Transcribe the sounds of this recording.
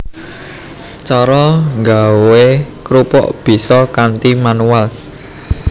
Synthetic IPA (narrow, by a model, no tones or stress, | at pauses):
t͡ʃɔɾɔŋɡawekɾupɔ̰ʔb̥i̤sɔkant̪imanual